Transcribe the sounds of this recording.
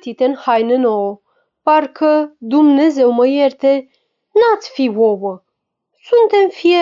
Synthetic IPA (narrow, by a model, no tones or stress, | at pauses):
t̪it̪enhajnɨnoo | paɾkʰəd̪umnezewməjeɾt̪e | nat̪t͡s̪fiwobə | sunt̪emfie